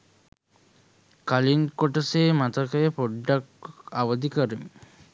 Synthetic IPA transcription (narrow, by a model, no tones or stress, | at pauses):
kaliŋkoʈəseːmat̪əkəjəpoɖːakaʋəd̪ikəɾim